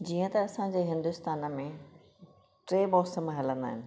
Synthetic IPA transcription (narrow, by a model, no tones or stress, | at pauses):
d͡ʑiːə̃t̪ɐɐsãd͡ʑeːɦɪ̃nd̪ʊst̪aːnəmẽ | ʈɾeːbɔːsəmɦɐlə̃nd̪a̰ːɦɪnɪ̆